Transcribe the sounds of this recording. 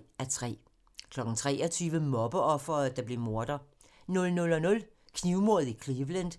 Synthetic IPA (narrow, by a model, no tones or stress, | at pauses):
æt͡sʰʁɛ̰ː | kʰlɒ̽ɡ̥n̩t͡sʰʁɛːɒt͡sʰyːʋəmɒ̽b̥əʔɒ̽fɐːd̥ɑ̈b̥le̝mo̝ɐd̥ɐ | nɔ̽lnɔ̽lɒ̽nɔ̽l | kʰniʊmo̝ɐð̩ˠikʰliʋlend̥